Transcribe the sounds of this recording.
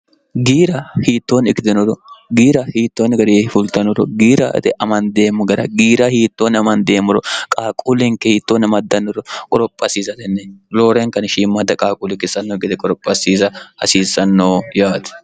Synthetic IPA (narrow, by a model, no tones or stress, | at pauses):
ɡiːɾɐhiːt̪ːoːnɪkːɪd̪ɛnɔɾɔɡiːɾɐhiːt̪ːoːnɡɐd̪ehɪfʊlt̪ɐnɔɾɔɡiːɾɐ̰ʔt̪ɛʔɐmɐnd̪e̞ːmːʊɡɐɾɐɡiːɾahiːt̪ːoːnɐmɐnd̪e̞ːmʊɾɔkʼaːkʼulɪŋkːɛhiːt̪ːoːnɐmɐd̪ːɐnːɔɾɔkʼɔɾɔpʼːɐsiːzɐd̪ɛnːɛloːɾeŋkɐnʃiːmːɐd̪ɐkʼaːkʼulɪkːɪsɐnːoːɡɪd̪ɛkʼɔɾɔpʼːɐsiːzɐhɐ̰siːsɐnːoːjaːt̪ʊ̥